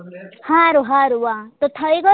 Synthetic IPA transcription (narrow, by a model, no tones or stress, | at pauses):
hãɾuɦãɾuwat̪ot̪ʰʌjɡʌ